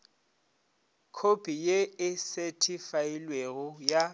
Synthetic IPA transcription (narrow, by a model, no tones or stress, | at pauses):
kʰopʰʼijeɪsetʰʼifailweɣʊja